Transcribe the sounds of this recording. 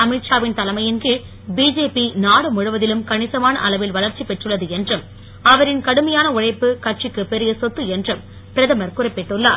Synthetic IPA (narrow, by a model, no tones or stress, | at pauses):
ɐmɪʈʂaːʋɪnt̪ɐlɐmɐjɪnɡɯ | biːd͡ʒeːpinaːɽɯmʊɻɯʋɐðɪlɯmkɐɳɪsɐmaːnɐ̰ʔɐlɐʋɪlʋɐlɐɾt͡ʃipɛʈrɯɭːɐðɯɛndrɯm | ɐʋɐɾɪnkɐɽɯmɐjaːnɐʊrɐɪpːɯkɐʈʂɪkːɯpɛɾɪjɐsɔt̪ːɯɛndrɯm | pɪɾɐðɐmɐɾkʊrɐɪpːɛʈːɯɭːa̰ː